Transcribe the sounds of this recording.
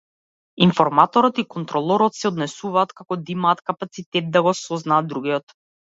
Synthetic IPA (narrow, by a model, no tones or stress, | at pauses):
infɔɾmat̪ɔɾɔt̪ikɔnt̪ɾɔlˠɔɾɔt̪sɛɔd̪nɛsuvaːt̪kakɔd̪imaːt̪kapat̪sit̪ɛt̪̚d̪aɡɔsɔznaːd̪ːɾuɡʲiɔt̪